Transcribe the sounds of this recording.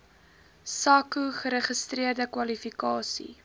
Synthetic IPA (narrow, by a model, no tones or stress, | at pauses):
sɐkuχəɾəχəstriərdəkwɐlifikɑːsḭ